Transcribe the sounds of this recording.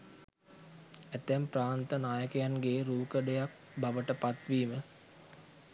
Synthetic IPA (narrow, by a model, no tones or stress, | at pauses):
æt̪æmpɾaːnt̪ənaːjəkəjanɡeːɾuːkəɖejak̚ | baʋəʈəpat̪ʋiːmə